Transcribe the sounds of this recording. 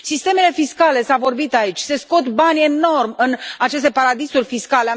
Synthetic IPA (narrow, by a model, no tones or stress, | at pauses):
sist̪e̞me̞le̞fiskale̞savo̞rbit̪ait͡ʃʲse̞sko̞t̪banʲe̞no̞rmʲɨnat͡ʃe̞s̬t̪e̞paɾad̪isurʲfiskale